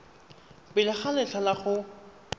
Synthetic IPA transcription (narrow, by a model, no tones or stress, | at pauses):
pɪlɪχalɛt͡ɬʰalaχʊ